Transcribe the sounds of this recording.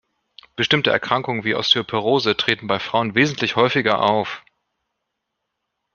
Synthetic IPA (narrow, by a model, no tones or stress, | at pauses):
b̥əʃtɪmtəʔɛ̰ɐkʁ̥aŋkʊŋənviːʔa̰ʊstʰypʰəʁoːzətʁ̥eːtn̩baɪfʁ̥aʊənveːzn̩tʰlɪçhɔʏfɪɡɐʔaʊf